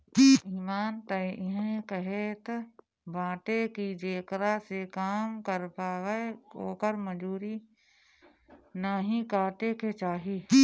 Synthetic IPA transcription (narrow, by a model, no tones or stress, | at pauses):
iːmaːnt̪əʔɪɦə̃kəɦet̪ | bʱãːʈekid͡ʒeːkɾasekaːmkəɾpaːɡəoːkəɾməd͡ʒuːɾi | naːɦĩkaːʈeket͡ʃaːɦiː